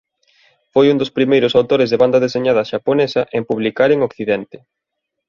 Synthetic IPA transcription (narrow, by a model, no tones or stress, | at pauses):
fojund̪ospɾimejɾʊsawt̪oɾɪzðeβand̪ɐðeseɲað̞ɐʃaponesɐʔempuβlikaɾeŋokθiðɛnt̪ɪ̥